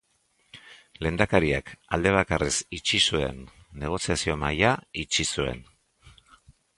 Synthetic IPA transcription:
le̞nd̪akaɾiakald̪e̞β̞akaresit͡ʃisue̞̰nː | e̞ɣ̞o̞siasio̞majait͡ʃisue̞̰n

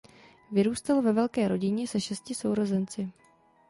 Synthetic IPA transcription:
vɪɾuːst̪alovɛvɛlkɛːɾo̞ɟɪɲɛsɛʃɛscɪso̞wɾo̞zɛnt͡sɪ

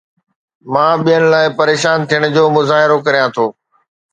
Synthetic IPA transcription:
mãːɓijənɪ̆laːɪpɐɾeːʃaːnt̪ʰijəɽ̃ʊ̆d͡ʑoːmʊzaːɦɪɾokɐɾijãt̪ʰoː

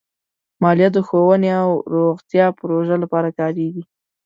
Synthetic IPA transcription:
mɑlijat̪̚d̪əxowəneawɾoɣt̪jɑpɾoʒalapɑɾakɑɾeɡi

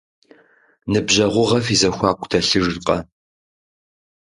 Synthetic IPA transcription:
nɨbʑɐʁʷʊʁɐfizɐxʷɑːkʷʰʼtʰɐɬɨʐqʼɐ

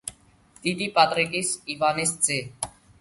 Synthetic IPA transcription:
d̪̥id̪iːpat̪ɾekisiːvaːnest͡seː

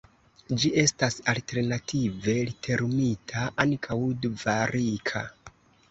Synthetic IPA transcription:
d͡ʒie̞stasalte̞ɾnatʰive̞litʰe̞ɾmitʰaʔankʰawdvaɾikʰa̰

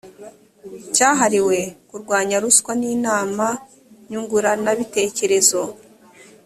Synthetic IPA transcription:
caːɦaɾiwe̞kuɾɡwaːɲaɾuskwaniːnaːma | ɲuŋɡuɾanaβite̞ːce̞ɾe̞zo̞

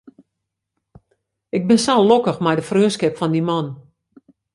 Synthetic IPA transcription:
ɪk̚bɪnsallokəxmɛjdəfrøːskɪpfɔndimɔn

